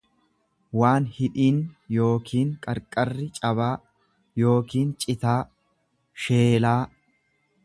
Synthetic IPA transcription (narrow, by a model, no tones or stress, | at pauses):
waːnhɪᶑiːnjo̞ːkʰiːŋkʼɐɾkʼɐrːɪt͡ʃʼɐβaː | jo̞ːkiːnt͡ʃʼɪt̪aː | ʃeːlaː